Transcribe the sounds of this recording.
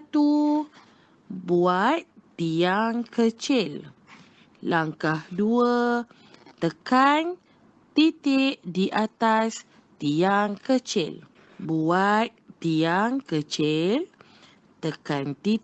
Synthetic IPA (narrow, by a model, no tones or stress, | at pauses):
at̪u | buat̪̚t̪iaŋkət͡ʃɪl | laŋkahduə | t̪əkan | t̪it̪ɪʔdiʔat̪as | t̪iaŋkət͡ʃɪ̰l | buat̪̚ | t̪iaŋkət͡ʃɪl | t̪əkant̪i